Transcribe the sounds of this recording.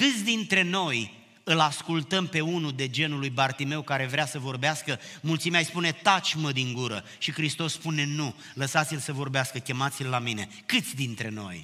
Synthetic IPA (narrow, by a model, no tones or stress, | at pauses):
kɨt̪sʲd̪int̪ɾe̞no̞j | ɨlaskult̪əmpe̞unud̪e̞d͡ʒe̞nulujbart̪ime̞wkaɾe̞vɾeasəvo̞rbeaskəmult̪simeajspune̞t̪at͡ʃʲməd̪iŋɡuɾə | ʃikɾist̪o̞sːpune̞nu | ləsat̪silsəvo̞rbeaskəkʲe̞mat̪silːamine̞ | kɨt̪sʲd̪int̪ɾe̞no̞̰j